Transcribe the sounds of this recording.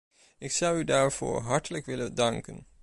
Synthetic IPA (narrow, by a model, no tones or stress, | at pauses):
ɪksʌwydaːɹv̥ʊ̰ːɹɦɑɹtələkʋɪlədɑŋkə̰n